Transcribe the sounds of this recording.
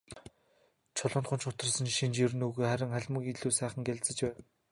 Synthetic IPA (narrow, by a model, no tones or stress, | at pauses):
t͡ɕʰɔɮɞ̆nt̪χʊnt͡ɕʊt̪ə̆rsə̆nʃint͡ɕir̆nuɣejχæɾʲɪ̆ŋχæɮʲmə̆kiɮuːsæːχə̆ŋɡeɮʲt͡sə̆t͡ɕpæːn